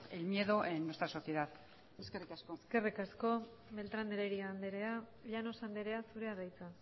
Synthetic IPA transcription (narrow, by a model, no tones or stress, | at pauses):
elmje̞ðoʔenːwe̞st̪ɾaso̞θje̞ðað | eskerikaskoske̞rikasko̞ | be̞lt̪ɾand̪eɾeɾiand̪eɾe̞a | ʎano̞sand̪eɾe̞asuɾe̞aðajt͡sa